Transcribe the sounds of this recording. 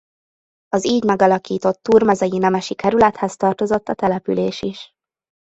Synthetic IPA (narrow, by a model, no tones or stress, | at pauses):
ɒziːɟmɛɡɒlɒkiːt̪o̞t̪ːuːrmɛzɛjinɛmɛʃikɛɾylɛt̪hɛst̪ɒrt̪o̞zo̞t̪ːɒt̪ɛlɛpy̰leːʃiʃ